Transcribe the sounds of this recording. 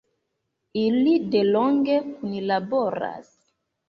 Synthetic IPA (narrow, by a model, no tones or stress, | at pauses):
ilideloŋɡekunilaboɾa̰s